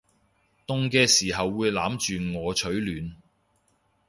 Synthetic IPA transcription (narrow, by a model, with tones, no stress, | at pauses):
t̪ʊ˧ŋkɛː˧siː˨˩ɦɐ˨wːuː˨˧jlaː˨˥mt͡ʃyː˨ŋɔː˨˧t͡ʃʰɵ˨˥ɥlyː˨˧n